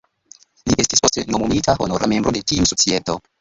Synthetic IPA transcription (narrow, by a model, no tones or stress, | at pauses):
liʔe̞stispo̞ste̞nomumitahonoɾame̞mbɾo̞de̞tiusot͡sieto